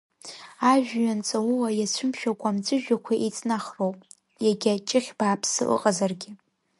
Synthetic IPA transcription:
aʒᶣɥant͡sʼawʊwajat͡ʃʷʰʊmʃᶣakʷʼamd͡ʒʷʼɨʒᶣakʷʰaʔet͡sʼnaχrowpʼ | jaɡʲat͡ʃʼɪχʲb̥aːpʰsɨ̰ʔɨ̰qʼazarɡʲɪ

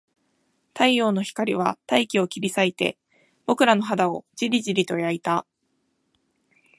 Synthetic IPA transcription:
t̪aio̞ːno̞çi̥kaɾʲiβ̞at̪aikʲio̞kʲiɾʲisait̪e̞̰ | b̥o̞kɯ̟ɾano̞ɦad̪ao̞d͡ʑiɾʲiʑiɾʲit̪o̞jait̪a

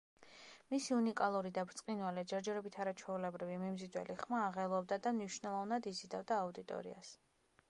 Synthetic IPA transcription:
misiunikʼalˠuɾid̪abɾt̪sʼqʼinwalɛd͡ʒɛɾd͡ʒɛɾɔbit̪ʰaɾat͡ʃʰwɛulɛbɾivimimzid̪wɛ̰liχmaːʁɛlˠɔb̚d̪ad̪amniʃnɛlˠɔvnad̪izid̪avd̪aːud̪it̪ʼɔ̰ɾḭa̰s

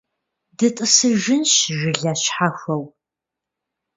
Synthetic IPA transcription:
dɨtʼɨsɨʒɪnɕʒɪɮaɕħaxʷɐw

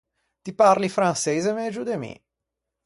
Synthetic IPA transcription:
t̪iparlifɾansejzemed͡ʒud̪emḭ

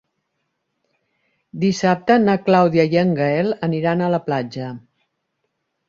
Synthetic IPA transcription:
d̪isap̚t̪ənaklawðjəjəŋɡəɛlˠəniɾanələplad͡ʒə

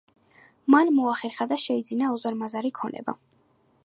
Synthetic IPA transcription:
manmɔaχɛɾχad̪aʃɛid̪zinaɔzaɾmazaɾikʰɔnɛ̰ba̰

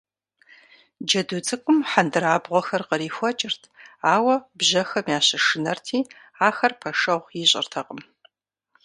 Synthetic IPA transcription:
d͡ʒɐdut͡sʼɨqʷʼʊmħandɨɾaːbʁʷɔxɐrqəɾiːxʷɐt͡ʃʼɪrtʰaːwɐbʑɐxɐmiaːɕɐʂɨnɐrtʰiː | aːxɐrpʰɐʂɐʁʷjiɕʼɪ̰rtʰɐqʼəm

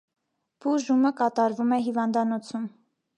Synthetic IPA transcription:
b̥uʒuməkɑt̪ɑɾvumɛɦivɑnd̪ɑnɔt͡sʰum

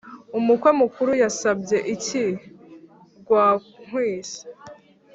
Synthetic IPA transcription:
umukwe̞mukuɾujasabɟe̞ʔici | ɡwaːŋ̥hwiːsi̥

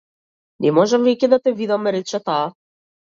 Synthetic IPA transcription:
nɛmɔʒɛmvɛcʲɛd̪at̪ɛvid̪amɾɛt͡ʃɛt̪aː

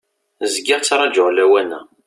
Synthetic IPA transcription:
zɡɪʁt͡sːɾˤɑd͡ʒʊʁlæwænːæ̰

